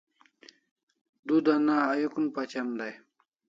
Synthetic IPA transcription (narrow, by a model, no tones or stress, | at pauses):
d̪ud̪anaːjukunpat͡ɕɐnd̪aj